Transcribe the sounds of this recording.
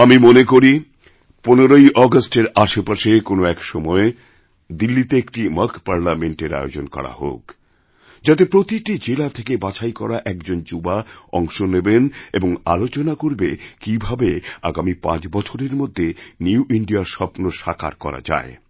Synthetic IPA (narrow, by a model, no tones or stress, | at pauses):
amimonekoɾi | poneɾojʔɔɡasʈeɾaʃepaʃekonoɛkʃɔmɔe | d̪ilːit̪eekʈiməkpaɾlameɳʈeɾa̰eo̰d͡ʑonkɔ̰ɾa̰ho̰k | d͡ʑat̪̬epɾot̪iʈid͡ʑelat̪ʰekebat͡ɕʰajkɔɾaʔɛkd͡ʑond͡ʑubaɔ̰ŋʃonebeneboŋa̰lot͡ɕonakoɾbekibʱabea̰ɡamipã̰t͡ɕbɔt͡ɕʰoɾeɾmod̪ʱːeniuʔiɳɖiaɾʃɔpnoʃakʰa̰ɾkɔ̰ɾa̰d͡ʑa̰e